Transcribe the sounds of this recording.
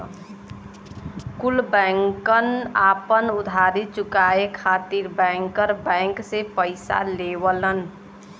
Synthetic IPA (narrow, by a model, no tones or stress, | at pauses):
kulbɛŋkənaːpənʊd̪ʱaːɾit͡ʃʊkaːekʰaːt̪iɾbɛ̃ŋkəɾbɛ̃ŋksepəɪsa̰lewələn